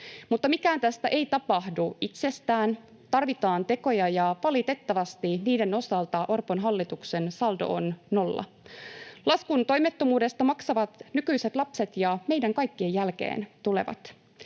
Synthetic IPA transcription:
mut̪ːɑmikæːnt̪æst̪æʔe̞ijt̪ɑpɑhduit̪se̞st̪æːn | t̪ɑrʋit̪ɑːnt̪e̞ko̞jɑjɑʋɑlit̪e̞t̪ːɑʋɑst̪iniːde̞no̞sɑlt̪ɑʔorponɦɑlːit̪ukse̞nsɑldo̰onːo̞lːɑ̰ | lɑskunt̪o̞jmet̪ːomuːde̞st̪ɑmɑksɑʋɑt̪nykyjse̞t̪lɑpset̪jɑme̞jdæŋkɑjkːiejælke̞̰ːnt̪ule̞̰ʋɑ̰t̪

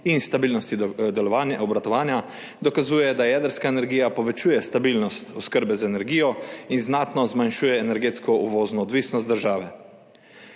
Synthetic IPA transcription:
inst̪abiːlnɔst̪id̪ɛlɔʋaːnjaɔbɾat̪ɔʋaːnja | d̪ɔkazuːjɛd̪ajɛːd̪əɾskaɛnɛɾɡiːjapɔʋɛt͡ʃuːjɛst̪abiːlnɔst̪ɔskəɾbɛzaɛnɛɾɡiːjɔinznaːt̪nɔzmanʃuːjɛːnɛɾɡeːt̪skɔʔuʋɔːznɔːd̪ʋiːsnɔst̪d̪əɾʒaːʋɛ

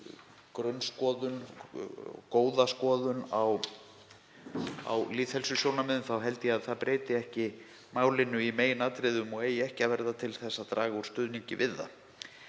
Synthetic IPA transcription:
kɾœnskɔːðʏn | koːwðaskɔːðʏnaw | a̰wliːt̪hɛlsʏsjownamɛðʏnθawɦɛlt̪ɪjɛaðθaðpɾʔeːjt̪ɪɛhcɪ | maːwlɪnːʏimeːjɪnaːt̪ɾɪðʏmɔɣeːjɛhcɪavɛɾðat̪ʰɪlθɛsːat̪ɾaːɣauɾ̥st̪ʏðniɲcɪ̰vɪðːa̰

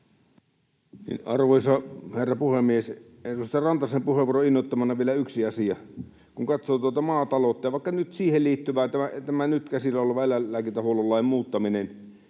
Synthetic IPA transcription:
nḭnɑrʋoisɑherːɑpuhemːies | erust̪ɑrɑnt̪ɑsempuheʋuoroinːot̪ːɑmɑnːɑʋielæyksiɑsiɑ | kuŋkɑt̪soːt̪uot̪ɑmɑːt̪ɑlot̪ːɑʋɑˑikːɑnyt̪siːhelliːt̪ːyʋæːt̪ææt̪æmænyt̪kæsilːæoleʋɑelæːæːkit̪æhuololːɑemmuːt̪ːɑminen

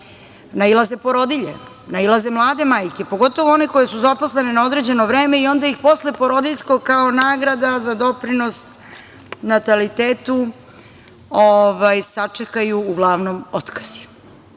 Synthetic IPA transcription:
nailˠaze̞poɾo̞d̪iʎḛ | nailˠaze̞mlˠaːd̪e̞maːjke̞po̞ɡo̞t̪o̞ʋoo̞neko̞je̞suzapo̞sle̞nenao̞d̪ɾe̞d͡ʑe̞noʋɾe̞ːme̞io̞nd̪aixpo̞slepo̞ɾo̞d̪iʎʲskoɡkaonaːɡɾad̪azad̪o̞pɾinos | nat̪alit̪eːt̪u | oʋajsat͡ʂekajuːɡlˠaːʋnomo̞t̪kḁz̥i̥

